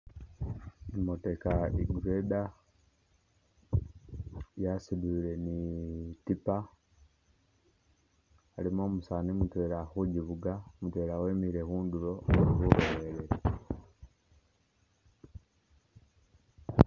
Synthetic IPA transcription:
imotekaiɡuɾeda | jasiduɾenitipa | limoːmusanimutweːɾaxuɟiβuɡamutweːɾaweːmiɾe̞huːnduɾo̞uhuɾoheɾeɾe

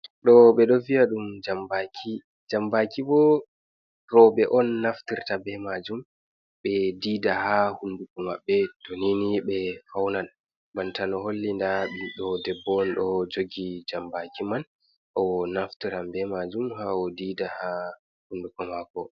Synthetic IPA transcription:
ɗɔɓɛɗɔvijaɗumd͡ʒambakʰi | d͡ʒambakibɔ | ɾɔbɛʔɔnːaftiɾtabɛmad͡ʒum | ɓɛdiːdahahundukɔma̰bːɛtoniniɓɛfawnan | bantanɔɦolːindaɓiɗɔdɛbːɔnɗɔd͡ʒoɡid͡ʒambakiman | ʔɔnaftiɾambɛmad͡ʒumhaɔdiːdaha | hundukɔmakɔ

